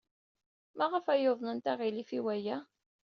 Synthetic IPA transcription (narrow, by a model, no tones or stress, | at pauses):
mæʁəfæjoðˤnənt̪æʁilifiwæjæ